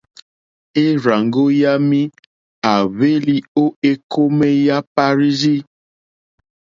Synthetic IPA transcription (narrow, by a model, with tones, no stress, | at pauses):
e˦ɾa˨ŋɡo˦ja˦mĩ˦ | a˨βe˦li˦o˦e˦kʰo˦me˦ja˦pa˦ɾi˦zi˦